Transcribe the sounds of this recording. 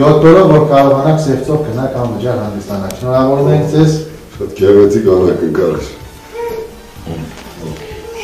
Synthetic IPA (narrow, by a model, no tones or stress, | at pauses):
jɔt̪ːɔɾɔvːɔɾkɑɾɔvɑnɑksɛʁt͡sʰɔʁɡənɑkʰɑmvəd͡ʒjɑɾhɑnd̪əst̪ɑnɑʃʰnɔɾɑvɔɾumɛŋkd͡zɛz | ʃɑt̪kɛrvɛt͡sʰikɑnɑkəkɑlʃ